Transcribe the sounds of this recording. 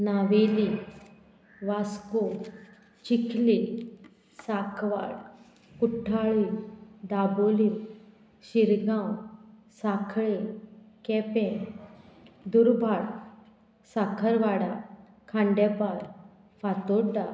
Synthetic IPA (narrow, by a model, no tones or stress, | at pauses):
naʋeli | ʋasko | t͡ɕikʰli | sakʰʋa̰ɽ | kuʈʰːaɭid̪aboli | ɕiɾɡãw | sakʰɭi | kɛpẽ | d̪uɾbʱaɽ | sakʰəɾʋaɽa | kʰãɳɖɛpaɾ | fat̪oɽd̪a